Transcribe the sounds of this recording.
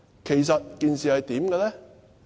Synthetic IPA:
kʰe˨˩jsɐ˨t̚kiː˨˧nsiː˨hɐ˨jt̪iː˨˥mɡɛ˧lɛː˥

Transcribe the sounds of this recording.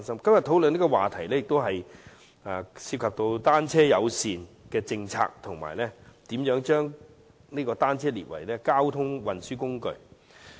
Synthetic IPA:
nsɐ˥mkɐ˥mjɐ˨t̚t̪ʰo˨˥wlɵ˨niː˥kɔ˧wa̰ː˨t̪ʰɐ˨˩jlɛː˥jɪ˨k̚t̪wɦɐ˨j | aː˨˩siː˧p̚kʰɐ˨p̚t̪o˧wt̪aː˥nt͡sʰɛː˥jɐ˨˧wsiː˨n | kɛː˧t͡sɪ˧ŋt͡sʰa̰ː˧k̚t̪ʰʊ˨˩ŋma̰ː˨˩jlɛː˥t̪iː˨˥mjœː˨˥ŋt͡ʃœː˥ŋ | niː˥kɔː˧t̪aː˥nt͡sʰɛː˥lḭː˨t̚wɐ̰˨˩jlɛː˥kaː˥wt̪ʰʊ˥ŋwɐ˨nsyː˥kʊ˥ŋkɵ˧ɥ

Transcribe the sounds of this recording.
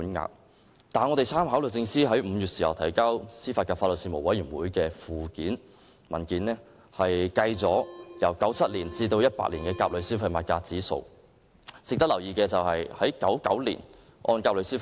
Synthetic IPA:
u˨˥nŋa̰ː˧k̚ | t̪aː˨nŋɔ˨˧t̪e˨jsaː˥mɦaː˨˥wlɵ˨˩t͡sɪ˧ŋsiː˥ɦɐ˨˥jm̩˨˧jyː˨t̚siː˨˩hɐ˨˩wt̪ʰɐ˨˩jkaː˥wsiː˥faː˧kaː˧˩fa˧tlə˨t̚siː˧mo˨˩wɐ˨˥jyː˨˩nwuː˨˥jkɛː˧fuː˨kiː˨˥n | mɐ˨˩nkiː˨˥nɛː˥ | hɐ˨jkɐ˧jt͡sɔː˨˥jɐ˨˩wkɐ˨˥wt͡sʰɐ˥t̚liː˨˩nt͡siː˧t̪o˧wjɐ˥t̚pa̰˧˥liː˨˩nkɛː˧kaː˧p̚lɵ˨˧ɥsi˥fɐ˧jmaː˨t̚kaː˧t͡siː˨˥so̰˧w | t͡sɪ˨k̚t̪ɐ˥k̚lɐ˨˩wjiː˨˧kɛː˧t͡sɐ˨whɐ˨jhɐ˨˥jkɐ˨˥wkɐ̰˨˥wlḭː˨˩n | ʔɔ̰ː˧nkaː˧p̚lɵ˨˧ɥsiː˥

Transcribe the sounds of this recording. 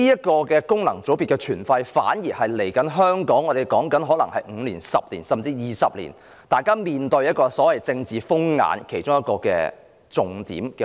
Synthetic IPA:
iː˥jɐ˥t̚kɔː˧kɛː˧kʊ˥ŋnɐ̰˨˩ŋt͡so˨˥wpiː˨t̚kɛː˧t͡ʃʰyː˨˩nfɐ˧jfa̰ː˨˥njiː˨˩hɐ˨jle˨˩jkɐ˨˥nɦœː˥ŋkɔː˨˥ŋɔː˨˧t̪e˨jkɔː˨˥ŋkɐ˨˥nɦɔː˨˥lɐ˨˩ŋhɐ˨jŋ̩˨˧liː˨˩nsɐ˨p̚liː˨˩nsɐ˨mt͡siː˧jiː˨˩sɐ˨p̚lḭː˨˩n | t̪aː˨jkaː˥miː˨nt̪ɵ˧ɥjɐ˥t̚kɔː˧sɔː˨˥wɐ˨jt͡sɪ˧ŋt͡siː˨fʊ˥ŋŋa̰ː˨˧˥nkʰe˨˩jt͡ʃʊ˥ŋjɐ˥t̚kɔː˧kɛ̰ː˧ | t͡sʊ˨ŋt̪ḭː˨˥mkɛ˧

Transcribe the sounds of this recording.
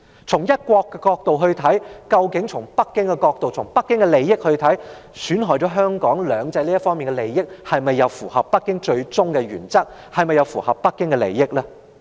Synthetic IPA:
t͡sʰʊ˨˩ŋjɐ˥t̚kʷɔː˧kːɛ˧kɔː˧k̚t̪o˨wɦɵ˧ɥt̪ʰɐ˨˥jkɐ˧wkɪ˨˥ŋt͡sʰʊ˨˩ŋpɐ˥kːɪ˥ŋkɛ˧kɔː˧k̚t̪o˨wt͡sʰʊ˨˩ŋpɐ˥kːɪ˥ŋkɛ˧le˨jːɪ˥k̚hɵ˧ɥt̪ʰɐ˨˥j | syː˨˥nɦɔː˨˩jt͡ʃɔː˨˥ɦœː˥ŋkɔː˨˥ŋlœː˨˧ŋt͡sɐ˧jliː˥ɐ˥fɔː˥ŋmiː˨nkɛ˧le˨˩jːɪ˥k̚hɐ˨jmɐ˨jːɐ˨˧wfuː˨˩hɐ˨pːɐ˥kːɪ˥ŋt͡ʃɵ˧ɥt͡sʊ˥ŋkɛ˧ɥyː˨˩nt͡sɐ˥k̚ | hɐ˨jmɐ˨jːɐ˨˧wfuː˨˩hɐ˨pːɐ˥kːɪ˥ŋkɛ˧lḛ˨˩jːɪ˥k̚lɛː˥

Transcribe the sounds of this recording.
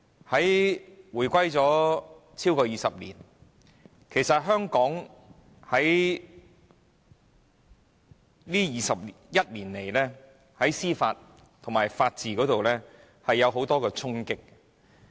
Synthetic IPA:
hɐ˨˥jwuː˨˩jkʷɐ˥jt͡sɔː˨˥ | t͡sʰiː˥wkɔː˧jiː˨sɐ˨p̚lḭː˨˩n | kʰe˨˩jsɐ˨t̚ɦœː˥ŋkɔː˨˥ŋ | hɐ˨˥j | liː˥jiː˨sɐ˨p̚ | jɐ˥t̚liː˨˩nle˨˩jlɛː˥ | hɐ˨˥jsiː˥fa̰ː˧t̚ | t̪ʰŋmaː˨˩jfaː˧t̚t͡siː˨kɔː˨˥t̪o˨wlɛː˥ | hɐ˨jːɐ˨˧wɦo˨˥wt̪ɔː˥kɛː˧t͡sʰʊ˥ŋkɪ˥k̚

